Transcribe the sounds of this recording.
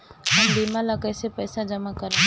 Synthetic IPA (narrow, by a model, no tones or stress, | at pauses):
ɦɐmbiːmalakəjsepɛːsad͡ʒɐmakəɾ